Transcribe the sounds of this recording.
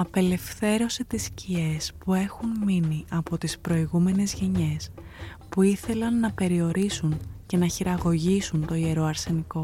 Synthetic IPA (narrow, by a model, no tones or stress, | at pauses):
ɐpe̞le̞fθe̞ɾo̞set̪iscie̞spue̞xunminiʔɐpo̞t̪ispɾo̞iɣume̞ne̞zʝe̞ɲe̞spuiθe̞lɐnːɐpe̞ɾio̞ɾʔisunce̞nɐçiɾɐɣo̞ʝisunt̪o̞ie̞ɾo̞ɐɾse̞niko̞